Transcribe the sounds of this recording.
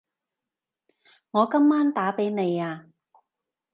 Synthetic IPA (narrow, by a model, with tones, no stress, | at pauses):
ŋɔː˨˧kɐ˥mːaː˥nt̪aː˨˥pe˨˥jne˨˧jaː˧